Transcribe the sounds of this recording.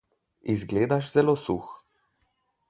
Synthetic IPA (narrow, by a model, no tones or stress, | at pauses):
izɡleːd̪aʃz̥ɛloːsṵx